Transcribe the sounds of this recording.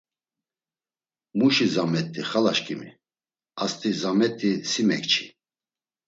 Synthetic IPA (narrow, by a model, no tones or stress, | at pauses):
muʃizamɛt̪ʼːiχalaʃkʼimḭ | ast̪ʼizamɛt̪ʼisimɛkt͡ʃʰi̥